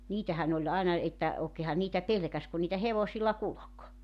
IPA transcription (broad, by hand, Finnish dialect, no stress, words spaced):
niːtæhæn olʲ ɑˑinɑ etːæ oːkeːhɑn niːtæ pelĕkæs kun niːtæ heʋosilːɑ kulok